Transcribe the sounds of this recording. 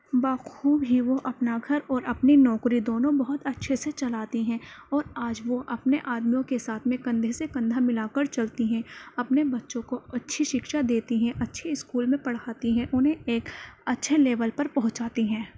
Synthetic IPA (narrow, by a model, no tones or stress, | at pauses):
baːxuːbɦiʋoʔɐpnaɡʱɐɾɔːɾʔɐpninɔːkɾid̪oːnõbɐɦʊt̪ɐtːʃʰeset͡ʃɐlaːt̪iɦɛ̃ɔːɾaːd͡ʒʋoʔɐpneʔaːd̪mijõkesaːt̪ʰmẽkɐ̃nd̪ʱesekɐ̃nd̪ʱamɪlaːkəɾt͡ʃɐlt̪iɦɛ̃ɐpnebɐtːʃõkoɐtːʃʰiʃɪkʃad̪eːt̪iɦɛ̃ʔɐtːʃʰeɪskuːlmẽpɐɽ̤aːt̪iɦɛ̃ʔʊnɦẽeːkɐtːʃʰeleːʋəlpɐɾpɐɦʊt͡ʃaːt̪iɦɛ̃ː